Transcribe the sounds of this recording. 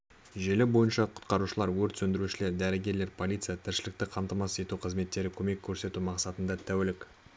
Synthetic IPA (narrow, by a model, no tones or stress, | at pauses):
ʒe̞lɪbo̞jənʃɑqʰʊ̥t̪qɑɾuʃəlˠɑɾwɵɾt̪sɵnd̪ɪɾuʃɪle̞ɾd̪æɾɪɡʲe̞ɾle̞ɾpʰo̞lʲijt̪sɨjat̪ʰɪɾʃɪlɪk̚t̪ɪqʰɑmt̪ɑmɑse̞t̪uqʰəzme̞t̪ːe̞ɾɪkʲʰɵme̞kʲʰːɵɾse̞t̪umɑqsɑt̪ənd̪ɑt̪ʰæwelɪk